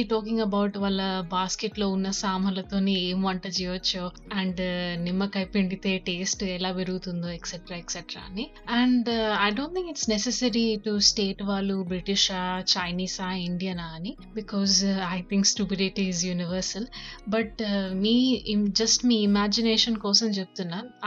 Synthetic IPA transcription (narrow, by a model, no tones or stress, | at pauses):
iʈɔːk̬ĩŋɡɐbɐwʈʋaːlːɐbaːskeʈlo̞ːunːɐsaːmɐlɐt̪o̞ːneːeːmɐɳʈɐːt͡ʃijʋɐt͡ʃːoː | ɐɳɖnimːɐkɐjpiɳɖit̪eːʈeːsʈɛlaːʋeɾuɡut̪und̪oːeksɛʈɾaːeksɛʈɾa̰ːɐni | ɐɳɳɖɐjɖoːnt̪ʰĩŋkiʈsnesesɐɾiʈusʈeːʈʋaːlːubɾiʈiʃaːt͡ʃɐjniːsaːiɳɖijɐnaːni | bikɔːzɐjt̪ʰiŋksʈupiɖiʈiːzjuːniʋɐɾsɐlbɐʈmiːd͡ʒɐsʈmiːimaːd͡ʒineːʃɐnkɔːsɐmt͡ʃebut̪unːaːɾ